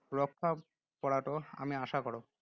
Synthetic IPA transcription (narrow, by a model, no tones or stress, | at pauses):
ɾokʰːa | pɔɽaʈoa̰miaʃakɔɽo